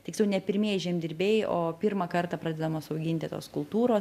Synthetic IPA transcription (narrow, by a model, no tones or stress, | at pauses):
t̪ʲɪkslʲɛʊnʲɛpʲɪɾʲmʲiɛʒʲeːmd̪ʲɪɾʲbʲeːjjʔoːpʲiːɾmɐkɐrt̪ɐpɾɑːd̪ʲɛd̪ɐmoːsɐʊɡʲɪnʲt̪ʲɪt̪o̰ːskʊlˠt̪uːɾoːs